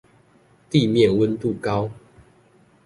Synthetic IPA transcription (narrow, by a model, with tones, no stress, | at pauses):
t̪i˥˨mjɛ˥˨nwə˦nt̪u˥˨kɑ˦ʊ